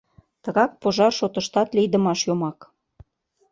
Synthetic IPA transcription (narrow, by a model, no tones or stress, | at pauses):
t̪əɣɑk̚poʒɑrʃot̪ə̆ʃt̪ɑt̪lijd̪ə̆mɑʃjomɑk